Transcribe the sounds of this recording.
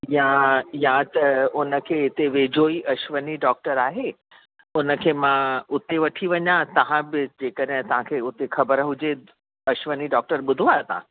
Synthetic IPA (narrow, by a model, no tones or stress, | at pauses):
jãjãt̪ɐʊnə̆kʰeːɦɪt̪eʋeːd͡ʑoːiʔɐʃʋəniɖɔːk̚ʈəɾaːɦe | ʊnə̆kʰeːmãʊt̪eʋɐʈʰiʋɐɲãt̪ɐʋ̤ãbɪd͡ʑeːkəɗɦɪ̃t̪ɐʋ̤ãkʰeːʊt̪exʰɐbəɾɦʊd͡ʑe | ɐʃʋəniɖɔːk̚ʈəɾɓʊd̪ʱoat̪ã̰